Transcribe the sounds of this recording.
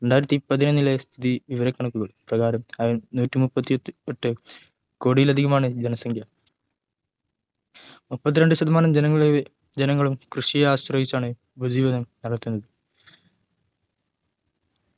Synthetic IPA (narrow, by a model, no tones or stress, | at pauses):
ɾeɳɖaːjiɾɐt̪ːipɐðinɐnːilest̪ʰiðiʋiʋɐɾɐkːɐɳɐkːuɣɐɭprɐɣaːɾɐmɐinuːtːimupːɐt̪ːieʈːɨ | ko̞ːɽijilɐd̪ʱiɣɐmaːɳɨd͡ʑenɐsɐŋɡjɐ | mupːɐt̪ːiɾe̞ɳɖɨɕɐd̪ɐmaːɳɐmd͡ʑenɐŋːɐɭe | d͡ʑenɐŋːɐɭumkrɨʂijaːɕrɐjit͡ɕːaːɳɨ | bud͡ʑiːʋɐnɐmnɐɽɐt̪ːunːɐðɨ